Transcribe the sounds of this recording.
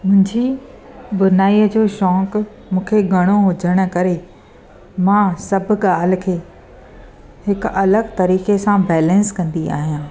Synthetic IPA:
mʊ̃ɦɪ̃ɲd͡ʑi | bʊnaːiːəd͡ʑoːʃɔːk | mũːkʰeɡʱɐɽ̃oɦʊd͡ʑʱəɽ̃ʊ̆kɐɾe | mãsɐbʱʊ̆ɠaːl̤ɪ̆kʰeː | hɪkɐləɡt̪ɐɾiːkesãbɛːlə̃nskɐ̃nd̪ia̰ːɦijãː

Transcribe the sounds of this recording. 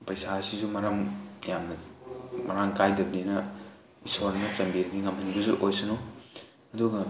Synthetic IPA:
pɐjsasizumɐɾaŋjamnɐmɐɾaŋkajdɐbdinɐ | isoɾnɐnɐt͡ʃɐmbiɾɐniŋɐmhɐnibɐzuʔojsɯno | ɐduɡɐ

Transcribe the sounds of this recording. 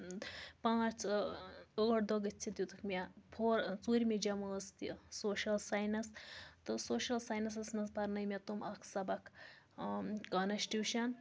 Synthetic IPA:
pãːt͡s | oːʈd̪oɡɨt͡ʃʰit̪ʲjut̪ʰukmʲɐpʰoːɾt͡suːɾʲmid͡ʒɐməːst̪isoːʃɐlsajnɐst̪ɨsoːʃɐlsajnɐs̬ɐsnɐzpɐɾnɐjmʲɐt̪umʔɐkʰsɐbɐkʰ | kɐnɐʃʈiwʃɐn

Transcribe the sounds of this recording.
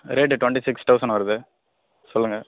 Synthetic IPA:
ɾeːʈːʈʊʋɐɳʈisɪksʈ̪ɐʊsɐɳʋɐɾɐðɯ | sɔlːɯŋɡɐ

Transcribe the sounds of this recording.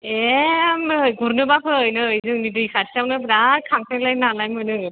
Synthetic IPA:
emɡuɾnɯbakʰɯːjnɯːjzɯŋnidɯjkʰatʰisawnɯbɾaɾkʰaŋsʰalajnalajmɯjnɯ

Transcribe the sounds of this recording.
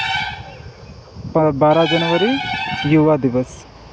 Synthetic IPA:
pəbaːɾad͡ʒɐnʋəɾijuʋad̪iʋəs

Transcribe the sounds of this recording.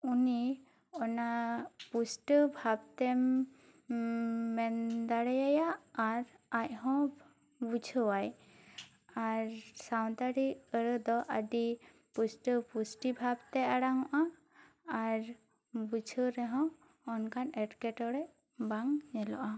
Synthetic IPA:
uni | ɔnapusʈəbʱab̚t̪ɛm | ɛnd̪aɽajajaːɾac̚hɔ̃ | bud͡ʒʱəwaj | aɾsawnt̪aɽiəɾəd̪ɔʔəɖi | pusʈəpusʈibʱabt̪ɛaɽaŋɔʔaː | ɾ | bud͡ʒʱəɾɛɦɔ̃ː | nkʰanɛʈkɛʈɔɾɛʔ | baŋɲɛlɔ̰ʔa

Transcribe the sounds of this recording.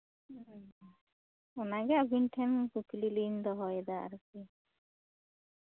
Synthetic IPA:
ɔnaɡɛabinʈʰɛnkukililind̪ɔɦɔjɛd̪aa̰ɾuki

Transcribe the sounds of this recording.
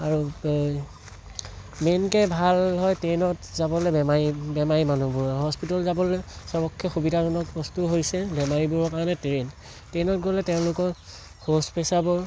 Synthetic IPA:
aɹu | menkɛbʱalɦɔjtenɔtzabɔlɛbɛmaɹibɛmaɹimanubuɹaɹuɦɔspitɔlzabɔlɛsɔbɔkʰːɔxubidanɔnɔk̚bɔstuɦojsɛbɛmaɹibuɹɔkaɹɔnɛtɹen | tenɔtɡolɛtɛʊ̃lʊkɔ | hospesabɔ

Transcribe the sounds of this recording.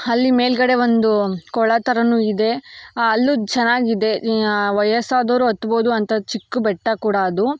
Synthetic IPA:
ɐlːime̞ːlɡɐɽe̞ʋond̪ukɔɭɐt̪ɐɾɐnuid̪e̞ɐlːut͡ʃɛnːaːɡiid̪e̞ʋɐjɐsaːd̪oːɾuɦɐt̪ːuboːd̪uɐnt̪ɐt͡ʃikːubɛʈːɐkuːɽɐɐd̪u

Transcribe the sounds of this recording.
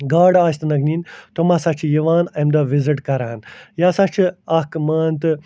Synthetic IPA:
ɡaːɖaːst̪ɨnɐɡniːnt̪omɐsɐt͡ʃʰijɐʋaːnɐmd̪ɐʋiziʈkɐɾaːnjaːsat͡ʃʰɨɐkɨmaːnt̪ɨ

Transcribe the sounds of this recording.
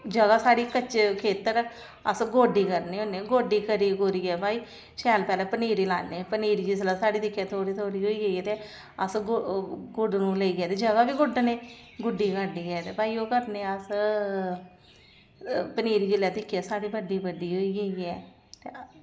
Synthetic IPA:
d͡ʒəɡaːsaːɽiːkət͡ʃkʰeːt̪əɾ | əsɡoːɖiːkəɾneːoːneːɡoːɖiːkəɾiːɡʊɾiːɡɛːbaːiː | ʃɛːlpɛːlɛːpəniːɾiːla̰ːneːpəniːɾiːd͡ʒiːslaːsaːɽiːt̪ɪkʰːjɛːt̪ʰoːɽiːt̪ʰoːɽiːɦoːiːɡəiɛːt̪eː | əs | ɡʊɖnũːləiːɡɛːt̪eːd͡ʒəɡaːʋiːɡʊɖneːɡʊɖiːkəɖiːɡɛːt̪eːbaːiːoːkəɾneːəs | pəniːɾiːd͡ʒɪlaːt̪ɪkʰːɛːsaːɽiːbəɖiːbəɖiːɦoːiːɡəiːɛː | t̪e

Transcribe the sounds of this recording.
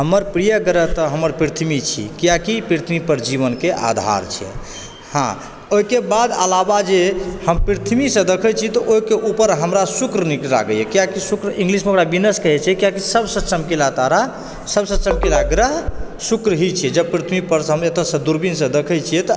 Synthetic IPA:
ɦəməɾpɾijəɡəɾət̪ɔɦəmːəɾpɾit̪ʰmit͡ʃʰḭkijakipɾit̪ʰmipəɾd͡ʒiβənkeʔa̰d̪ʱa̰ɾt͡ʃʰiɛ̰ | hã̰ | oikebad̪ə̰labad͡ʒehəmpɾit̪ʰmisə̃d̪əkʰət͡ʃʰiɛt̪ɔʔoikeʔupəɾɦəmɾasukɾnikɾa̰ɡəjɛkijakisukɾĩŋɡlismeokɾabinəskəɦɛt͡ʃʰɛɛkijakisəbsəsəmkilat̪aɾa | səbsəsəmkilaɡɾəɦsukɾəɦit͡ʃʰijɛd͡ʒəb̚pɾit̪ʰmipəɾɦəmet̪əsə̃d̪uɾbinsə̃d̪əkʰəjt͡ʃʰijɛt̪ɔ

